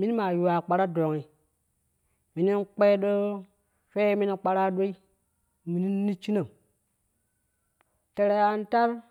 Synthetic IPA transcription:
mi˦ma˨ju˨wa˨k͡pa˨ɾa˦do˨ŋi˨ | mi˨ni˦n˦k͡pe˦ɗo˦ | fe˦mi˦ni˦k͡pa˦ɾa˦ɗo˦i˦ | mi˨ni˦ni˦t͡ʃi˦na˨m | te˨ɾe˨ja˨n˦ta˦ɾ

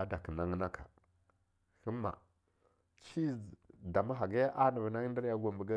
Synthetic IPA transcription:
a˨da˨kə˨na˦ŋ˦na˦kʰa˨ | xə˦mːa̰˨ | t͡ʃi˦da˨ma˦ɦa˨ɡa˦ja˦ʔa˦na˨vna˦ŋ˦da˦ɾja˦ɡʷa˨mbə˨ɡa˦

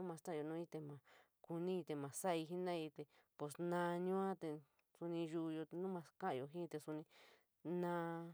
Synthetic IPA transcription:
ũ˦mã˧t̪a˦˧jo˧nũ˦i˦˧t̪e˧mã˨ | ku˧nĩ˦i˧t̪e˧mã˨sa˦˧i˧ɦi˦nã˦i˧t̪e˧ | po˨snã˧ɲũ˦ã˦t̪e˧ | su˧nĩ˧ʒu˧jo˧nũ˦mã˧skã˦ʔjo˧˨ɦĩ˦˧t̪e˧su˧nĩ˧ | nã˧

